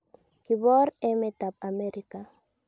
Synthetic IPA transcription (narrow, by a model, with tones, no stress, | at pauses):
ki˨βɔ˦ɾɛ˦me˨t̪a˨p̚a˨me˦ɾi˦ka˨